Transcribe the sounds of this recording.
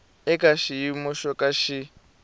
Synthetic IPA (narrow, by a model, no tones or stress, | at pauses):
ɛkaʃiimɔʃɔkʼaʃi